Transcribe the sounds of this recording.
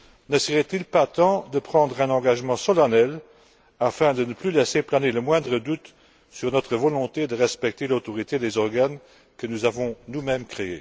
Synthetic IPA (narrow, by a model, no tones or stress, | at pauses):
nəsəʁɛt̪ilpat̪ɑ̃d̪əpχɑ̃d̪ʁɛ̃nɑ̃ɡaʒmɑ̃sɔlanɛl | afɛ̃d̪ənəplylɛseplaneləmwɛ̃d̪ʁəd̪ut̪ | syʁnɔt̪χəvɔlɔ̃t̪ed̪əʁɛspɛk̚t̪elot̪ɔʁit̪ed̪ezɔʁɡan | kənuzavɔ̃numɛmkχee